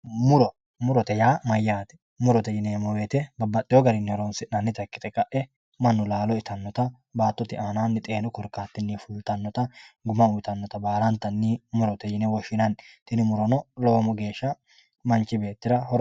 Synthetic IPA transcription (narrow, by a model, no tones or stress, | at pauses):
mʊɾɔ | mʊɾɔt̪ɛjaːmɐjːaːt̪ɛ̥ | mʊɾɔt̪ɛjɪnemɔweːt̪ɛbɐbːɐt̪ʼːɪjɔɡɐɾɪnːɪɔɾɔnsɪnɐnːɪt̪ɐkːɪ̥t̪ɛkʼɐʔɛ | mɐnːʊlaːlɔɪt̪ɐnːɔt̪ɐ | baːt̪ːɔt̪ɪʔaːnaːnːɪt̪ʼeːnɔkɔɾkːaːt̪ːɪnːifuːlt̪ɐnːɔt̪ɐɡʊmɐʊjt̪ɐnːɔt̪ɐbaːlɐnt̪ːɐnːimʊɾɔt̪ɛjɪnɛwɔʃɪnɐnt̪ɪnɪmʊɾɔnɔloːmɔɡe̞ːʃːɐ | mɐnt͡ʃːɪbe̞ːt̪ːɪɾɐhɔɾ